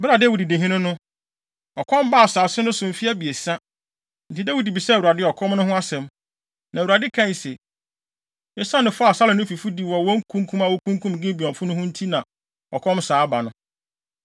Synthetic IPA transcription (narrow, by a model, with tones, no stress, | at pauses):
bɪ˦ɾa˨de˦wu˨di˨de˨ɦĩ˦nʊ̃˦nʊ̃˦ | ɔ˨kʰɔ̃˦m˦ba˦a˨saː˨sɪ˦nʊ̃˦sʊ˨m̩˨fi˦æ˦bi˨e˨sa˦ | n̩˨tʰi˨de˦wu˦di˨bi˨sɛ˦˨u˨ɾa˨dɪ˦ɔ˨kʰɔ̃˦mnʊ̃˦ɦʊ̃˦a˦sɛ̃˨m | nʔã˨u˨ɾa˨dɪ˦kʰã˦˨n˨sɛ˨ | ɛ˦sã˦nʊ̃˨fɔ˦a˨sa˦lɪ˨nʊ̃˦fi˨fu˦di˨wɔ˨wɔ̃˦ŋ̩˦kʰũ˦ŋkʰũ˦ma˨wo˦kʰũ˦ŋkʰũ˦m˨ɡɪ̃˦bi˨ɔ̃˨fʊ˦nʊ̃˦hʊ̃˦n̩˦tʰi˦nã˨ | ɔ˨kʰɔ̃˦msaː˨˦ba˨nʊ̃˦